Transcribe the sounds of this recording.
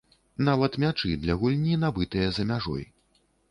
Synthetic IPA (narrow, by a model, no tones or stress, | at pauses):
navɐt̪mʲat͡ʂɨd̪lʲɐɣulʲnʲinabɨt̪ɨjɐzɐmʲaʐɔ̰j